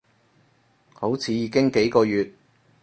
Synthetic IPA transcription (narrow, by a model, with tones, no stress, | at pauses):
ho˨˥wt͡sʰiː˨˥jiː˨˧kɪ˥ŋke˨˥jkɔː˧jyː˨t̚